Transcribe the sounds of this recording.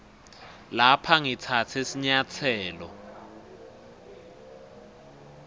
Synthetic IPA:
lapʰaŋit͡sʰatʰesiɲat͡sʰɛːlɔ

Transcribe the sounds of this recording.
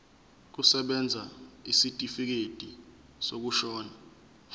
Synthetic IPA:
k̬usɛɓɛnd͡zʱaisitʼifik̬ed̥ʼʱi | sok̬uʃɔːna

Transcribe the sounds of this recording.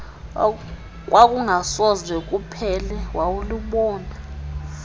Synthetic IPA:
k̬ʼwʔak̬ʼuŋasɔzwɛk̬ʼupʰɛlɛwawuluɓɔːna

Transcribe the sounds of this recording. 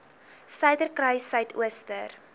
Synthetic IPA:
sɐɥdərkrɐjsœɥtʰṵəstər

